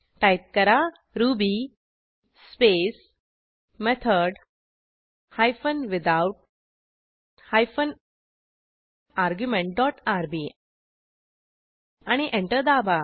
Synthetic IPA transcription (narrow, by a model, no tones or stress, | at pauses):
ʈajp̚kəɾa | ɾubi | spes | mɛt̪ʰəɾɖ | hajfənʋɪd̪auʈ̚ | hajfən | aɾɡjumẽɳʈ̚ɖɔʈaɾbi | aɽ̃iʔẽɳʈəɾd̪aba